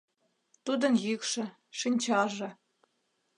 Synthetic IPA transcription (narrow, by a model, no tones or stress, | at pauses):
t̪ud̪ɤ̆njykʂɘ̆ | ʂinʲt͡ɕɑʒɤ̆